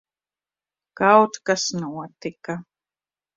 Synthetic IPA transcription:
kawt̪kasnuat̪ɪka

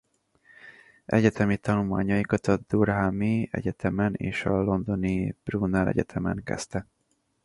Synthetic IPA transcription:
ɛ̰ɟɛt̪ʰɛmit̪ɒnulma̰ːɲɒjikɒt̪ɒd̪urɦamiɛ̰ɟɛt̪ʰɛmɛnḛːʃɒlo̞nd̪o̞nib̥runːɛlɛ̰ɟɛt̪ʰɛmɛŋkɛ̰st̪ɛ

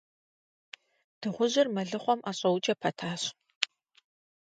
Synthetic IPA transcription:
d̥ɨʁʷʊʑɪrmɐɮɨχʷɔmʔaːɕʼɐwʊt͡ʃʼɐpʰɐtʰaːɕ

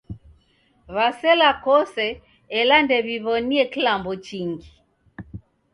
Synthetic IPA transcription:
βasɛlakɔsɛː | landɛβiβɔniɛkilambɔt͡ʃiŋɡi

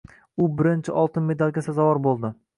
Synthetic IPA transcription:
ʊbɪɾɪnt͡ʃʰɪʔɒlˠt̪ʰɪnme̞d̪alˠɡʲasazɒvɒɾbolˠd̪ɪ

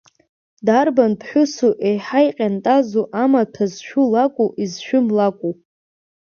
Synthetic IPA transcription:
darbanpʰħʷᶣʊsuʔejħajqʲʼantʼazoʔamatʰazʃᶣulakʷʼuʔizʃᶣʊmlakʷʼu

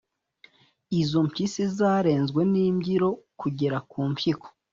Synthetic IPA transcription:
izompisizaːɾe̞ːnzɡwe̞niːmɟiɾo̞kuɟe̞ɾakuːmpiko̥

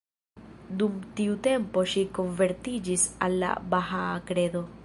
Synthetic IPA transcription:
d̪umtiut̪e̞mpo̞ʃiko̞nve̞ɾt̪id͡ʒisa̰lːa̰baxakɾe̞d̪o̞

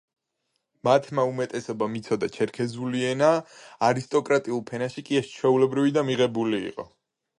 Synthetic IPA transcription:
mat̪ʰmaumɛt̪ʼɛsɔbamit̪sʰɔd̪at͡ʃʰɛɾkʰɛzuliɛnaːɾist̪ʼɔkʼɾat̪ʼiulˠpʰɛnaʃikʼiɛst͡ʃʰwɛulɛbɾivid̪amiʁɛbulḭːqʼɔ̰

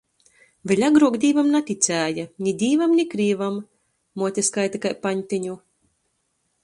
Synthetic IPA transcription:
vʲɛlʲaɡɾuɔɡd̪ʲiːvamnat̪ʲit̪sʲæːjanʲid̪ʲiːvamnʲikɾiːvamː | uɔt̪ʲɛskajt̪akajpanʲt̪ʲiɲu

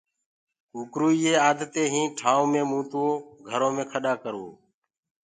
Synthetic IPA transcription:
ukɾuːiːeːaːd̪t̪eːɦĩːʈʰaːõːmẽːmũːt̪oːɡʱəɾõːmẽːkʰəɗaːkəɾṵː

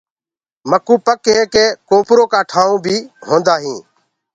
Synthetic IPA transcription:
məkuːpəkɦeːkeːkoːpɾoːkaːʈʰaːũːbʱiːɦõːnd̪aːɦĩː

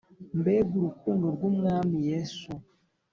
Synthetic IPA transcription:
m̩bɛbuɾukonɡoɾɡumŋamijɛsu

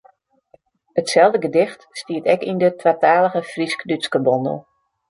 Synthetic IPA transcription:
ətsɛlˠdəɡədɪxtstiətɛkindətʰwataːləɣəfriskdyskəbɔndə̰lˠ

